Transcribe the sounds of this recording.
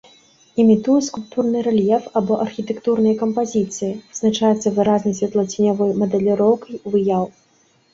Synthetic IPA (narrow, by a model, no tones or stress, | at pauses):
imʲit̪ujɛskulʲp̚t̪urnɨɾɛlʲjɛfabɔʔɐrxʲit̪ɛkt̪urnɐjɐkɐmpazʲit̪sɨjiz̥nat͡ʂajɛt̪sːɐvɨɾaznɐjsʲvʲɛt̪lˠɐt͡sʲinʲavɔjmɐd̪ɛlʲiɾɔwkɐjuvɨjaw